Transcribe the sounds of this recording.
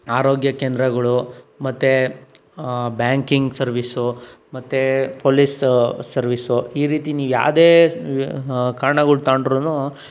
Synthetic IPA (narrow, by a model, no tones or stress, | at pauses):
aːɾoːɡjɐkeːnd̪ɾɐɡɐɭumɐt̪ːe | bjaːŋkiŋɡsɐɾʋisumɐt̪ːepoːlissɐɾʋisuiːɾiːt̪iniːʋuja̰ːʋd̪eː | kaːɾɐɳɐɡɐɭut̪aːɳɖɾonu